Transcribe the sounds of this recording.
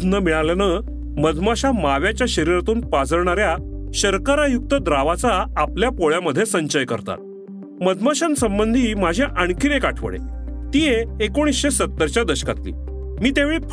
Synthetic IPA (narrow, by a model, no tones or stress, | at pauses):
nəmiɭaljanə | məd̪ʱmaɕamaʋjat͡ɕjaɕəɾiɾat̪uːnpad͡zəɾɳaɾjaɕəɾkaɾajuk̚t̪əd̪ɾaʋat͡saːpljapoɭjaməd̪ʱːjesəɲt͡ɕəjkə̰ɾt̪a̰t̪̚ | məd̪maɕansəmbənd̪ʱiːmad͡ʑʱĩʔaɳkʰinekaʈʰʋə̰ɽḛt̪ijeekoɽ̃isɕesət̪ːəɾt͡ɕjad̪əɕkat̪lḭː | miːt̪eʋeɭiːpʰ